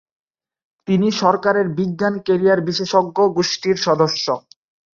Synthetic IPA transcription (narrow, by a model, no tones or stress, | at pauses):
t̪iniʃɔɾkaɾeɾbiɡːankeɾijaɾbiʃeʃoɡːoɡoʃʈiɾʃɔd̪oʃːo